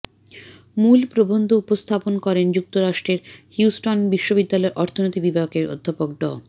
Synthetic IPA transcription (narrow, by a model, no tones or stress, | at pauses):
mulpɾobond̪ʱoupost̪ʰaponkɔɾend͡ʑuk̚t̪oɾaʃʈɾeɾhjusʈonbiʃːobid̪ːalɔeɾʔɔɾt̪ʰonot̪ibibʱajokeɾo̰d̪ʱːapok̚d̪ɔ̰